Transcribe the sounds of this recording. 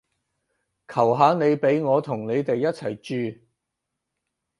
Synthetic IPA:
kʰɐ˨˩wɦaː˨˧ne˨˧jpe˨˥jŋɔː˨˧t̪ʰʊ˨˩ŋne˨˧jt̪e˨jːɐ˥t̚t͡sʰɐ˨˩jt͡ʃyː˨˧

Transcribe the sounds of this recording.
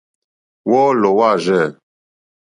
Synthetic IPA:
wɔ˦lo˨wa˦˨ʒɛ˦˨

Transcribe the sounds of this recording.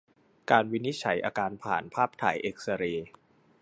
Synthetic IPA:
kaː˧nwi˦˥ni˦˥t̪̚t͡ɕʰa˩˦jʔaː˧kaː˧npʰa̰ː˨˩npʰaː˥˩p̚t̪ʰa̰ː˩˦jʔeː˨˩k̚sa˧ɾiː˧

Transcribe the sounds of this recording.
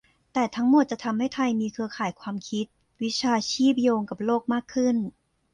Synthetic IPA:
t̪ɛː˨˩t̪ʰa˦˥ŋmo˨˩t̪̚t͡ɕa˨˩ʔt̪ʰa˧mha˥˩jt̪ʰa˧jmiː˧kʰɯ˧ɐkʰaː˨˩jkʰwaː˧mkʰi˦˥t̪̚ | wi˦˥t͡ɕʰaː˧t͡ɕʰiː˥˩p̚joː˧ŋka˨˩p̚loː˥˩k̚maː˥˩kʰːɯ˥˩n

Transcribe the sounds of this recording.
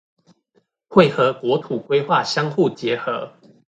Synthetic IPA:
xwe˥˨ɪxɤ˨˧˦kwɔ˧˦t̪ʰu˨˩kwe˥ɪxwa˥˨ɕjɑ˥ŋxu˥˩t͡ɕjɛ˨˦xɤ˨˦

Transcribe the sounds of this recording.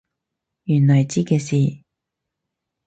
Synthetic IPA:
jyː˨˩nnɔː˨˩jt͡ɕiː˥kɛː˧siː˨˩

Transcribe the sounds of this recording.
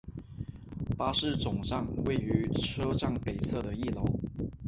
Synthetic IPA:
pa˥ʂɻ̩˥˩t͡sʊ˨˩ŋʈ͡ʂɑ˥˧ŋwe˥˩ɪy˧˥ʈ͡ʂʰɤ˥ʈ͡ʂɑ˥˩ŋpe˨˩ɪt͡sʰɤ˥˩d̪ə˩i˥˩lo˧˥ʊ

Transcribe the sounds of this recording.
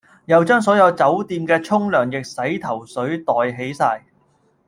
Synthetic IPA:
jɐ˨˧wt͡ʃœː˥ŋs̬ɔː˨˥jɐ˧wt͡sɐ˨˥wt̪iː˧mkɛː˧t͡ʃʰʊ˥ŋlœː˨˩ŋjɪ˨k̚sɐ˨˥jt̪ʰɐ˨˩wsɵ˨˥ɥt̪ɔː˨jɦe˨˥jsaː˧j

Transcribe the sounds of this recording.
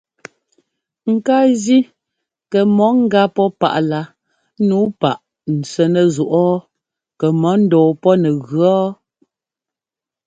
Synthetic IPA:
ŋ̩˨ka˦zi˦ | kɛ˨mɔ˨˦ŋ̩˦ɡa˦pɔ˦pa̰˨ʔla˦ | nuː˨˦pa˨ʔ | n̩˨t͡sɛ˦nɛ˨zu˨ʔɔː˦ | kɛ˨mɔ˨˦n̩˦dɔː˨pɔ˦nɛ˨ɣɰɔ˦

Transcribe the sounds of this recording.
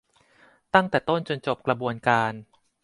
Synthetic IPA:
t̪a˥˩ŋt̪ɛː˨˩t̪o˥˩nt͡ɕo˧nt͡ɕo˨˩p̚kɾa˧bu˧ənkaː˧n

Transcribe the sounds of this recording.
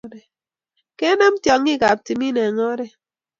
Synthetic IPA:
ɾe˨ | ke˦nɛ˦m̩˦tjɔ˨ŋːi˦˨ka˨p̚ti˨mi˦ne˨ŋɔ˦ɾe˨

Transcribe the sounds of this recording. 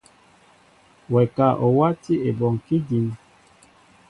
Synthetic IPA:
wɛ˨ka˦˨ʔo˨wa˦ti˦e˨bɔ˨ŋki˦d͡ʒi˨n

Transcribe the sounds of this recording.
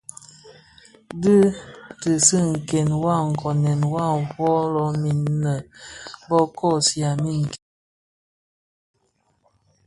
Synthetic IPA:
dɨ˦tɨ˨sɨ˦ŋ̩˨kɛ˨nwa˦˨ŋ̩˨kɔ˨nɛ˨nwa˦˨fɔ˦lɔ˨˦mi˨nː˦ə˨˦bɔ˦kɔ˦˨sja˨mi˦˨ŋ̩˨kɛ˨

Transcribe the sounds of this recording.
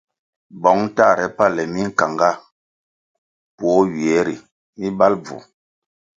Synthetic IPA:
bɔ˨˦ŋ˦ta˦˨ɾɛ˦pa˦˨lɛ˨mi˦ŋ̩˦˨ka˨ŋɡa˦˨ | pwɔ˨˦ɥi˨ɛ˨˦ɾḭ˨ | mi˦ba˦lb͡vṵ˨

